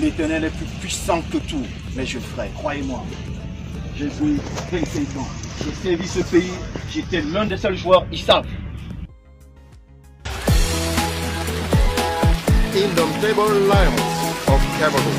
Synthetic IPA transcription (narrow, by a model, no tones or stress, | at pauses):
let̪ɛʁnɛlɛplypɥisɑ̃kət̪u | mɛʒəfʁɛkχwajemwa | ʒevuevɛ̃sɛ̃tɑ̃ʒesɛʁvisəpeikiet̪ɛlɛ̃d̪esœlʒuwœʁisabl | ĩnd̪ɔ̃mt̪ebɔlːajɔ̃nsɔvkɛbəl